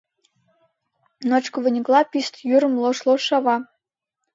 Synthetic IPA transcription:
not͡ɕkɤ̆vɤ̆nʲĭklˠɑpʲist̪juɾɤ̆mlˠŏʃlˠoʃɑβɑ

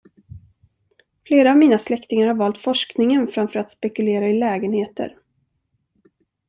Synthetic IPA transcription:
fleːɾaːvmiːnaslɛkt̪ɪŋaɾhaɾvɑːlt̪fɔʂknɪŋənfɾamfœːɾat̪spɛkɵleːɾaɪlɛːɡənheːt̪ə̰ɾ

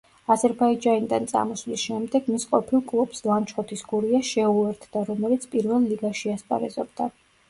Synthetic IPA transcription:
azɛɾbaid͡ʒanid̪ant̪sʼa̰mɔslisʃɛmd̪ɛɡmisqʼɔ̰pʰilˠkʼlˠub̥slˠamt͡ʃʰχɔt̪ʰisɡuɾiaʃɛuɛɾt̪ʰd̪aɾɔmɛlit̪sʰpʼiɾvɛlˠːiɡaʃiasp̪ʼa̰ɾɛzɔb̚d̪a

